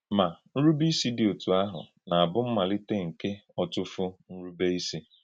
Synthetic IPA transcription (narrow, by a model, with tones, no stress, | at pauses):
ma˨n̩˦ɾu˦bi˦si˦dɪ˨o˨tu˨a˦ɦʊ̰˨ | na˨a˨bʊ˦m̩˦ma˨lɪ˦te˦ŋ̩˨ke˦ɔ˨tʊ˦fʊ˦n̩˦ɾu˦be˦i˦si˦